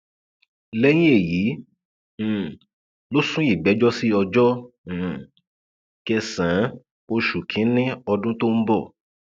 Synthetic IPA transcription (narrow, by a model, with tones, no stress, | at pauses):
lɛ˦j̃ĩ˦e˦˨jĩ˨˦˨ | lo˦sũ˦i˦˨ɡ͡bɛ˨˦d͡ʒɔ˦si˦ɔ˧d͡ʒɔ˦˨ | kɛ˧sã˨˦ | o˧ʃu˨kʰĩ˨˦nĩ˦ɔ˧dũ˦to˦m̩˦bɔ˦˨